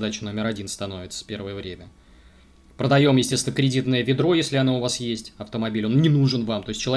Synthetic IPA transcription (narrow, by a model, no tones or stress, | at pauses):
d̪at͡ɕʊno̞mʲɪɾɐdʲinst̪ɐno̞vʲɪt̪sə̥fpʲe̞rvəjəvɾʲemʲə | pɾəd̪ɐjo̞mjɪsʲtʲest̪nəkɾʲɪdʲit̪nəjəvʲɪd̪ɾo̞jesʲlʲɪɐnoʊvasjesʲtʲɐft̪əmɐbʲilʲo̞nnʲɪnuʐɨnvamt̪o̞ɪsʲt͡ɕːɪlˠɐ